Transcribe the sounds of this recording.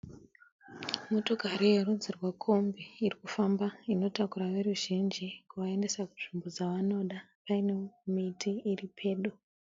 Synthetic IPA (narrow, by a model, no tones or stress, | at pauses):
motoɡʱaɾiwerud͡zirwakʰombeirikufambaino̞takuɾaʋe̞ruʒind͡ʒikuʋae̞nde̞sakunʐimbo̞d͡zaʋano̞ɗa | paine̞mitʰiːripʰe̞ːɗu